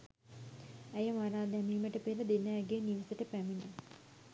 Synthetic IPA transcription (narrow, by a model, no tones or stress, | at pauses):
æjəmaɾaːd̪æmiːməʈəpeləd̪enəɡeːniʋisəʈəpæminə